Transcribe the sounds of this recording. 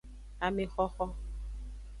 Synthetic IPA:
a˨mɪ˦xɔ˦xɔ˦

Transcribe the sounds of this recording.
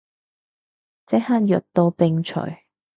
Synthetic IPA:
t͡sɛ˨˥haː˧˥njœ˨˩t̚t̪o˧wpɪ˧ŋt͡ʃʰɵ̰˨˩ɥ

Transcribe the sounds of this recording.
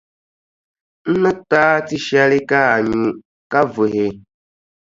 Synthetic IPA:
n̩˦nə˦taː˦ti˦ʃa˦li˦ka˦a˨ɲu˨ | ka˦vu˨ɦe˨

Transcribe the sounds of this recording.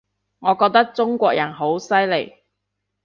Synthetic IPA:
ŋɔː˨˧kɔː˧k̚t̪ɐ˥k̚t͡sʊ˥ŋkʷɔː˧k̚jɐ˨˩nɦo˨˥wsɐ˥jle˨˩j

